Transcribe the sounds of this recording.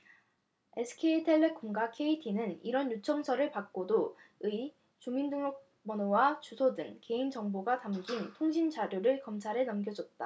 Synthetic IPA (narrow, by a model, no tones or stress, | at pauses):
e̞sʰɯ̥kʰeitʰe̞ɭːekʰumɡwakʰe̞itʰinɯniɾʌnjut͡ɕʰʌŋsʰʌɾɯɭpak̚k͈odoɯi | t͡ɕumindɯŋok̚ | mʌnowat͡ɕusʰodɯŋke̞ind͡ʑʌŋboɡatamɡintʰoŋɕʰint͡ɕaɾjuɾɯɭkʌmt͡ɕʰaɾenʌmɡjʌd͡ʑʌt̚t͈a̰